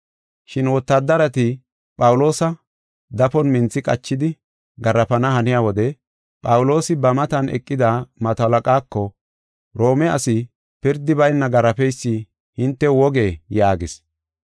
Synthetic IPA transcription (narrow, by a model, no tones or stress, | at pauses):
ʃɪnwɔt̪ːɐd̪ːɐɾɐt̪ɪ | pʼɐwʊlo̞ːsɐ | d̪ɐfɔnmɪnt͡sːɪkʼɐt͡ʃːɪd̪ɪ | ɡɐɾɐpɐnɐhɐnɪjaːwɔd̪ɛ | pʼɐwʊlo̞ːsɪbɐmɐt̪ɐnʔɛ̰kʼːɪd̪amɐt̪ɐlɐkʼaːkːɔ | ɾo̞ːmɛɐsɪ | pɪɾd̪ɪbɐjnːɐɡɐɾɐpɛjsːɪ | hɪnt̪ːɛwɔɡe̞ːjaːɡɪs